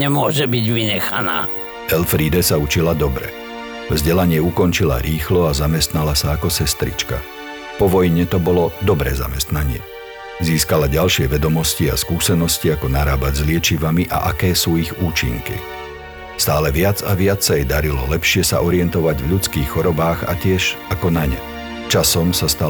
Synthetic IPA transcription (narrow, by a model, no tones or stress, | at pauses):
ɲɛmʊɔʒɛbiɟʋiɲɛxa̰na̰ː | ɛlfɾiːd̪ɛsaut͡ʃilad̪ɔbɾɛ̰ | vzɟɛlaɲɪɛukɔnt͡ʃila̰ɾiːxlɔazamɛst̪nalasaːkɔsɛst̪ɾḭt͡ʃka̰ | pɔʋɔjɲɛt̪ɔbɔlɔd̪ɔbɾɛːza̰mɛst̪naɲɪɛ̰ | ziːskalaɟalʃɪɛʋɛd̪ɔmɔscia̰skuːsɛnɔsciakɔnaɾaːbaɟzlɪɛt͡ʃiʋamiʔa̰ʔakɛːsuːiɣuːt͡ʃḭŋkḭ | st̪aːlɛʋɪad͡zaʋɪat͡ssajɛd̪aɾilɔlɛpʃɪɛsa̰ʔɔɾɪɛnt̪ɔʋaɟvʎut͡skiːxxɔɾɔbaːɣa̰cɪɛʃakɔnaɲɛ̰ | t͡ʃasɔmsast̪a